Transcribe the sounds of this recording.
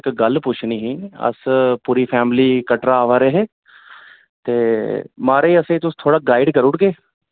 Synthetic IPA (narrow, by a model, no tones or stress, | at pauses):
kɡəlpʊt͡ʃʰniːɦĩːə̰spuːɾiːpʰɛːmliːkəʈɾaːʋaːɾeɦeː | t̪eːmaːɾeiːəsẽit̪ʊst̪ʰoːɽaːɡaːɪɖkəɾʊʈɡeː